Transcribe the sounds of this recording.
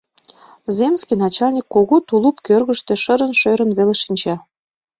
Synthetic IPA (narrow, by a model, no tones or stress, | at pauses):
zemskijnɑt͡ɕɑlʲnʲikːoɣot̪ulupkørɣə̆ʃt̪ĕʃəɾə̆nʃøɾə̆nβeleʃinʲt͡ɕɑ